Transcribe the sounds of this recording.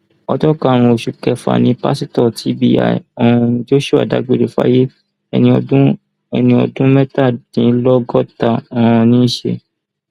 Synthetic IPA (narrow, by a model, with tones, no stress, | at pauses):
ɔ˧d͡ʒɔ˦ka˦˨ɾ̃ũ˧o˨ʃu˨kɛ˧fa̰˨nĩ˧˦pa̰˦si˦tɔ˦˨tʰi˨˦bḭ˦˨a̰˨ɔ̃˨˧d͡ʒo˦ʃu˦˨a̰˨da̰˨˦ɡ͡be˦˨ɾe˨fa̰˦je˦ | ɛñ˧˦ | ɛ˧nĩ˧ɔ̰˧dũ˦mɛ˦ta˦˨dĩ˨˦lɔ˦ɡɔ˦ta˦˨ã˨ɔ̃˧nĩ˦ʃḛ˧